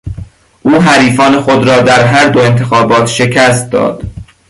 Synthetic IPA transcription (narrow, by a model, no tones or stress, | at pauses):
ʔuːɦæɾiːfɒːnexod̪ɾɒːd̪æɾɦæɾd̪oe̞nt̪ʰe̞xɒːbɒːt̪ʃe̞cʰæst̪̚d̪ɒ̰ːd̪̥